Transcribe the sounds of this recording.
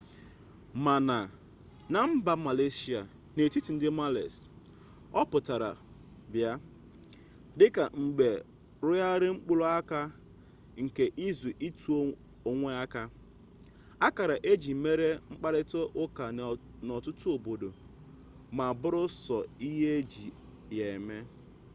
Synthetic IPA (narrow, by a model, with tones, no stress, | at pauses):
ma˨na˨ | na˨m̩˦ba˦ma˨le˦si˦a˨ | ne˨ti˦ti˨n̩˦dɪ˦ma˦lḛ˨s | ɔ˦pʊ˨ta˨ɾa̰˨ | bja˦ | dɪ˦ka˨ŋ͡m̩˨ɡ͡be˨ | ɾʊ˦ja˦ɾɪ˦ŋ͡m̩˦k͡pʊ˦lo˦a˦ka˦ | ŋ̩˨ke˨ʔi˦zu˨ʔi˦tu˨˦ | o˨ŋʷe˦a˦ka˦ | a˦ka˨ɾa˨ʔe˦d͡ʒi˨˦me˦ɾe˦ŋ͡m̩˦k͡pa˦ɾɪ˦to˦ʔʊ˦ka˨ | nɔ˨tʊ˦tʊ˦o˨bo˨do˨ | ma˨bʊ˦ɾʊ˦sɔ˨i˦ɦe˦e˦d͡ʒi˨ | je˨e˨me˦